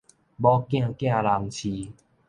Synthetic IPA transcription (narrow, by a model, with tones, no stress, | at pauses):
bɔ˦kj̃ã˧kj̃ã˥˧˨la˧ŋt͡ɕʰi˧